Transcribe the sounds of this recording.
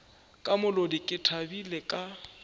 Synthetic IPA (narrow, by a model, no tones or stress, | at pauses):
kʼamʊlodɪkʼɪtʰabilekʼa